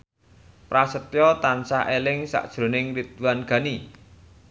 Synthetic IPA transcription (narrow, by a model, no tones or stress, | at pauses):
pɾasət̪jɔt̪ansaɦelɪŋsa̰ʔd̥ʒ̥ɾo̤nɪŋrit̪̚wanɡ̥a̤ni